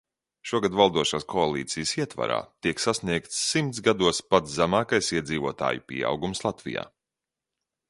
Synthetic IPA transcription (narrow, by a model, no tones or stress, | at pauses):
ʃuɔɡad̪valˠd̪uɔʃaːskʰɔalˠḭːt̪sijəsiɛt̪va̰ɾa̰ːt̪iɛksasniɛk̚t̪sːimt̪sɡad̪uɔspat̪szæmaːkajsiɛd̪ziːvuɔt̪a̰ːjupiɛa̰wɡumslˠat̪vḭja̰ː